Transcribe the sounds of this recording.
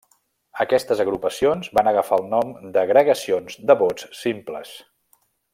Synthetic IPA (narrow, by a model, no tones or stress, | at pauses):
əkɛst̪əzəɣɾupəsionzβanəɣəfalˠnɔmd̪əɣɾəɣəsionzd̪əβot͡sːimplə̰s